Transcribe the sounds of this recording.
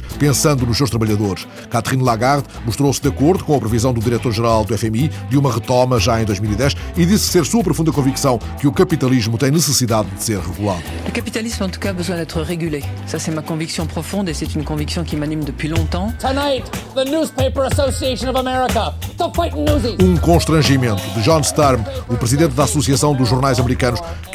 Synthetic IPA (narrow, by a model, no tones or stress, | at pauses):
pẽsɐ̃nd̪unuʃsewʃt̪ɾɐβɐʎɐðoɾʃ | kat̪ʁinlˠaɣaɾðmuʃt̪ɾosd̪ɐkoɾðukõɐpɾɨvizɐ̃w̃d̪uðiɾɛt̪oɾʒɨɾalˠd̪uɛfɛmid̪umɐʁɨt̪ɔmɐʒaẽj̃d̪ojʒmilˠiðɛʃiðisseɾsuɐpɾufũnd̪ɐkõviksɐ̃w̃kɨukɐpit̪ɐlˠiʒmut̪ɐ̃j̃nɨsɨsiðaðd̪ɨseɾʁɨɣulˠaðuləkapit̪alismɑ̃t̪u̥kaːbəzwɛ̃d̪ɛt̪χəʁeɡylesasɛmakɔ̃viksjɔ̃pχɔfɔ̃d̪esɛt̪ynkɔ̃viksjɔ̃kʲimanimd̪əpɥilɔ̃t̪ɑ̃tʰənaɪt̪̚ðənuz̥pʰeɪpə˞əsoʊsieɪʃə̃nʌvəmɛɹɪkətəfaɪtnnuziũkõʃt̪ɾɐ̃ʒimẽnt̪uðɨʒɔnst̪aɾmupɾɨziðẽnt̪̚d̪asusiɐsɐ̃w̃d̪uʒːuɾnajzɐmɨɾikɐnuʃ